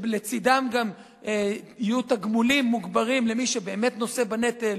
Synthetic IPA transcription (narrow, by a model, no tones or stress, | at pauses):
let͡sid̪amɡam | eijutaɡmulimːuɡbaʁimle̞miʃebeːme̞t̪no̞se̞banet̪el